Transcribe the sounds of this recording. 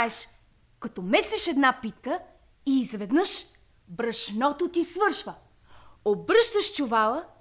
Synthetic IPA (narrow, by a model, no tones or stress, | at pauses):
ɛʃ | kɐt̪ɔmɛsɛʃɛd̪napit̪kə | iːzvɛd̪nɤʃ | bɾəʃnɔt̪ot̪isvɤɾʃvə | obɾɤʃt̪əʃt͡ʃʊvalˠə